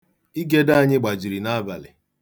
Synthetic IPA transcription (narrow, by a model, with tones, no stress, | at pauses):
i˦ɡe˦da˦a˦˨ɲɪ˦ɡ͡ba˨d͡ʒi˨ɾi˨na˦ba̰˨lɪ̰˨